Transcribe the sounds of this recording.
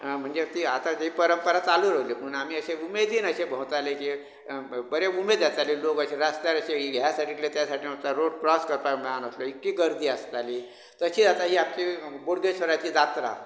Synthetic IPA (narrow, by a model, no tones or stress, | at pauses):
m̤əɳd͡zet̪iːat̪ad͡ʑeipəɾəmpəɾat͡saluɾəɦlipunamiːəɕeumed̪iːnəɕebəɦut̪aleki | bəɾeumed̪d͡zat͡salilokəɕeɾast̪jaɾəɕeɦiɡʱjasaʈiːk̪let̪jasaʈʰiːamt͡saɾoɽpɾɔskəɾpaməɽanəsloikːiːɡəɾd̪ʱiːəst̪aliː | t̪əɕiːd͡zat̪aɦiːapt͡ɕiboɽɡesʋəɾat͡ɕiːd͡zat̪ɾa̰